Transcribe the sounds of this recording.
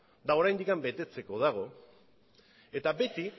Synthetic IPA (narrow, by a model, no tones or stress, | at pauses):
d̪ao̞ɾajnd̪ikambe̞t̪e̞t͡se̞ko̞ð̞aɣ̞o̞ | e̞t̪abe̞t̪i